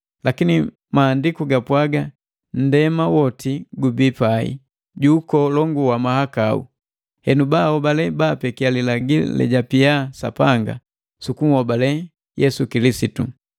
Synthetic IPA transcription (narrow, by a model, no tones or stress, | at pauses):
lakini | maːndikuɡapwaɡa | n̩dɛmawɔtiɡubipaḭ | ɟukɔlɔŋɡuwamahakaṵ | hɛnubaːhɔbalɛbaːpɛkialilaɡilɛ̰ɟapiasa̰paŋɡa̰ | sukum̩hɔbalɛ | jɛsukilisitu